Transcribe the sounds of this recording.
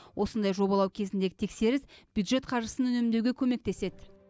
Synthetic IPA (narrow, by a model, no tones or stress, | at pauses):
wʔo̞sənd̪ɑjʒo̞bɑlˠɑwkʲʰe̞zɪnd̪e̞ɡʲɪt̪ʰe̞kse̞ɾɪsb̥jud̪ʒe̞t̪qʰɑɾʒəsənʏne̞mnd̪ewɡʲe̞kʲʰɵme̞k̚t̪e̞se̞d̪ɪ